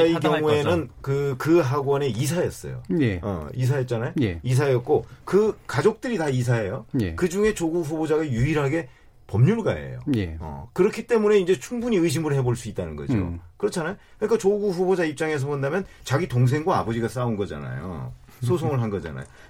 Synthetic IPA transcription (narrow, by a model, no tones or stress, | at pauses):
aik̬ʌŋue̞nɯnkɯkɯɦaɡwʌne̞is̬ʰajʌs͈ʌ̰jo̰ʌ̰is̬ʰajʌt̚t͡ɕ͈anajois̬ʰajʌt̚k͈okɯkad͡ʑok̚t͈ɯɾitais̬ʰae̞jokɯd͡ʑuŋe̞t͡ɕoɡuɸubod͡ʑaɡajuiɾɦaɡe̞ | pʌmɲuɭɡa̰ḛjo̰eʌ̰kɯɾʌkʰit͈e̞mune̞ind͡ʑe̞t͡ɕʰuŋbuɲiɯiɕ̬ʰimɯɭhe̞boɭs͈uit̚t͈anɯnɡʌd͡ʑio̰kɯɾʌt͡ɕʰanajokɯɲik͈at͡ɕoɡuɸubod͡ʑaip̚t͡ɕ͈aŋe̞s̬ʰʌbondamjʌnt͡ɕaɡitoŋs̬ʰe̞ŋɡwaːbʌd͡ʑiɡas͈aunɡʌd͡ʑa̰na̰jo̰ | sʰos̬ʰoŋɯɭɦanɡʌd͡ʑa̰na̰jo̰